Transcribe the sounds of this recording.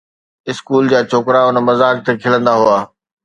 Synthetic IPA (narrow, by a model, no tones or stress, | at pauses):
ɪskuːld͡ʑaːt͡ɕʰoːkɾaʊnə̆mɐzaːk̚t̪ekʰɪlə̃nd̪aɦuaː